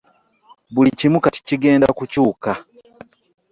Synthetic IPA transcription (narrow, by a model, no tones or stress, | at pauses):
bulicimukati̥ciɡe̞ːnda̰kucuːka